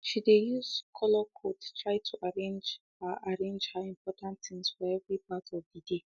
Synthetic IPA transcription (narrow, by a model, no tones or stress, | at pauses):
ʃidejuzkʰɔlɔkʰodtʰɹaɪtʰuʔaɾẽnd͡ʒ | aʔaɾẽnd͡ʒhaĩmpɔtãntt̪ɪ̃ŋsfɔɛvɾipatʰɔvdide